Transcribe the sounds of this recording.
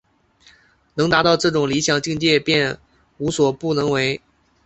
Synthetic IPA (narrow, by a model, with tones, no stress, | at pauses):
nɤ˧˥ŋt̪a˧˥t̪ɑ˥˧ʊʈ͡ʂɤ˥˩ʈ͡ʂʊ˨˩ŋli˧˥ɕjɑ˨˩ŋt͡ɕi˥˧ŋt͡ɕjɛ˥˧pjɛ˥˩n | u˧˥swɔ˨˩pu˥˩nɤ˧˥ŋwe˧˥ɪ